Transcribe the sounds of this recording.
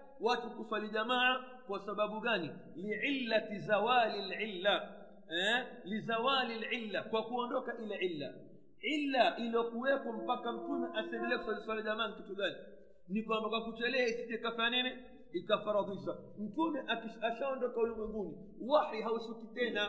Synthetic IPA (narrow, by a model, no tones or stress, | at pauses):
watukuswaliʄamaa | kwasaɓaɓuɡaniliʕilːatizawalilʕilːa | ɛlizawalilʕilːakwakuɔndɔkaʔilɛʕilːa̰ | ʕilːaʔiliɔkuwɛpɔm̩pakam̩tumɛʔasɛndɛliɛku̥swaliswaliʄamaːnikituɡani | nikwambakwakut͡ʃɛlɛaisiʄɛikafaanɛnɛ | ikafaɾɑðiʃa | m̩tumɛʔaiʃaʃaɔndɔkahulimwɛŋɡuni | waħiɦausukitɛna